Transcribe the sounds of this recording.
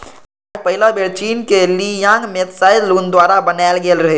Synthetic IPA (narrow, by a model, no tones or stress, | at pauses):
pəɦɪlabeɾt͡ʃiːnkelijãːŋɡmet̪saːɪluːnd̪waːɾabənaːɪlɡelɾɐɦeː